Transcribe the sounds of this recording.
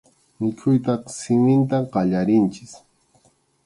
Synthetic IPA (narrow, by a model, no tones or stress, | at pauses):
mɪkʰʊjt̪̬ɑχsɪmɪnt̪aqɑʎaɾɪnt͡ʃɪ̥s